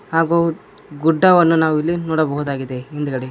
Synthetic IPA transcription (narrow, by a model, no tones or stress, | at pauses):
haːɡoː | ɡuɖːɐʋɐnːunaːʋuilːinɔːɽɐbɐɦud̪aːɡid̪ːeind̪ukɐɽe